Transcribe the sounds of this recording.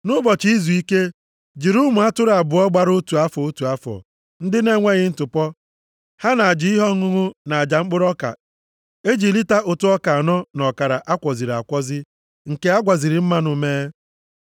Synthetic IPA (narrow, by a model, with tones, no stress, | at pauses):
nʊ˦bɔ˨t͡ʃi˨i˦zu˨i˦ke˦ | d͡ʒi˨ɾʊ˦mʊ˨a˦tʊ˦ɾa˨bʊ˨ɔ˦ɡ͡ba˦ɾʊ˦tu˨a˦fɔ˨o˦tu˨a˦fɔ̰˨ | n̩˦dɪ˦ne˦˨ŋʷe˦ɣɪ˦n̩˦tʊ˨pɔ˦ | ha˦na˨a˨d͡ʒi˨˦i˦ɦɔ˦ŋʊ˦ŋʊ˦na˨a˨d͡ʒa˨ŋ͡m̩˦k͡pʊ˦ɾɔ˦ka̰˨ | e˦d͡ʒi˨li˦ta˦ʔʊ˨tʊ˦ɔ˦ka˨a˨nɔ˦nɔ˨ka˨ɾa˨ʔa˦kʷɔ˨zi˨ɾa̰˨kʷɔ˦zɪ˦ | ŋ̩˨ke˦a˦ɡʷa˨zi˨ɾɪ˨m̩˦ma˦nʊ˨meː˦